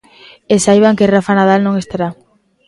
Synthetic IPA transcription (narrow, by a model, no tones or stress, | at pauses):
esajβaŋkerafanaðalnõŋest̪aɾa